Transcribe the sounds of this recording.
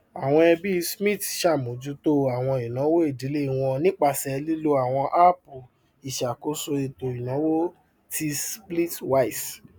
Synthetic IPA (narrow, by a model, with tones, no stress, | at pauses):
a˨w̃ɔ̃˧ɛ˧bi˦˧smĩ˦˨tʃa˦˨mõ˨˦d͡ʒu˨˦to˦a˨w̃ɔ̃˧i˨nã˨˦wo˦e˦˨di˨˦le˦i˨w̃ɔ̃˧nĩ˦k͡pa˧˨sɛ˧li˦lo˧a˨w̃ɔ̃˧ʔa˦po˨ | i˨ʃa˨ko˨˦so˧e˧to˨i˨nã˨˦wo˦ | ti˧spli˦twa˦i˨s